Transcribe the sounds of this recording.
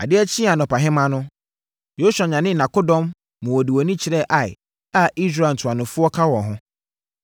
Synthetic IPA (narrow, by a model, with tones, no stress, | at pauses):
a̰˨dɪ˦æ˦t͡ɕʰĩ˦a˨nʊ̃˨pa˨ɦɪ̃˦mã˦nʊ̃˦ | jo˦su˨a˨ɲã˨nɪ̃˦nã˨ko˦dɔ̃˦mː | ʊ̃˨wɔ˨di˨wɔ˨nĩ˦t͡ɕʰɪ˨ɾɛ˦ʔa˨j | a˦ʔi˦s̬ɾa˨n̩˨tʰʊ˨a˨nʊ̃˨fʊ˦ɔ˦kʰa˦wɔ̃˨nɦʊ̃˦